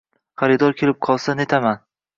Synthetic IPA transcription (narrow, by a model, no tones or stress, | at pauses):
χaɾɪd̪ɒɾkʲʰe̞lɪp̚qʰɒlˠsane̞t̪ʰaman